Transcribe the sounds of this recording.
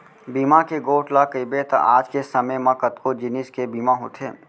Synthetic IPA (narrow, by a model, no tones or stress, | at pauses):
biːmakeɡoːʈlakəibet̪ɐ̰ʔaːd͡ʒkesəməmãkət̪kod͡ʒɪnɪskebiːmaɦoːt̪ʰḛː